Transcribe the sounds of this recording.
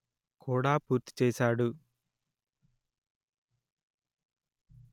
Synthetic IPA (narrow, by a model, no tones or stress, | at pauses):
kuːɽaːpuːɾt̪i̥t͡ʃeːsaːɽu